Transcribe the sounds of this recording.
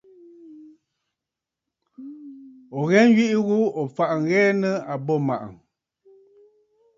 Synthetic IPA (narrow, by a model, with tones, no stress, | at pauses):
ɔ˨ɣɛ˦ŋ˦ɥi˦ʔi˦ɣu˦ɔ˨fa˨ʔŋ̩˨˦ɣɛː˦nə˦a˨bɔ˦˨ma̰˨ʔə̰˨